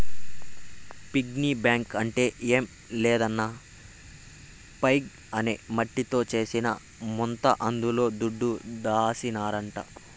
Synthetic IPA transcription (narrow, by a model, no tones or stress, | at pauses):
piɡniːbjaːŋkɐɳʈe̞ːeːm | lɛːd̪ɐnːɐ | pɐjɡ | ɐnemɐʈːit̪o̞ːt͡ʃe̞ːsinɐ̰ | mɔnt̪ɐʔɐnd̪ulo̞ːd̪uɖːud̪aːsinaːɾɐɳʈɐ̰